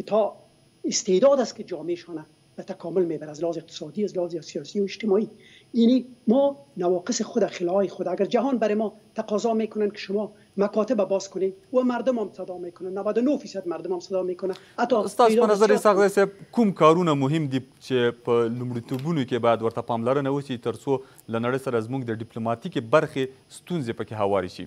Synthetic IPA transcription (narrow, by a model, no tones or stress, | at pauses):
kɪt̪ʰɔ | ɪst̪ed̪ɔd̪askɪd͡ʒɔmeʃɔna | b̥at̪akɔmʊlmebaɾaazlɪhɔzɪq̚t̪ɪ̥sɔd̪iazlɪhzesijɔsiʊɪd͡ʒt̪ɪmɔi | janimɔnawɔqɪsɪxʊd̪axɪlɔjɪxʊd̪aaɡaɾd͡ʒaɦɔnbaɾɪmɔt̪aqɔzɔmekʊnankɪ̥ʃʊmɔ | makɔt̪ɪbabɔzkʊnewamaɾd̪ʊmamsad̪ɔmekʊnanawad̪ʊnofisad̪̚maɾd̪ʊmamsad̪ɔmekʊnahat̪ːɔst̪ɑsd̪pənazaɾesaxzajseb̚kumkɑɾunamʊɦɪmd̪it͡ʃepəlumɽit̪obunokebɑjad̪wəɾt̪apɑmlaɾənawəʃit̪əɾt͡so | lanaɽəjsaɾazmuɡd̪əɖɪplomɑt̪ikebaɾxe | st̪unzepəkeɦawɑɾiʃḭ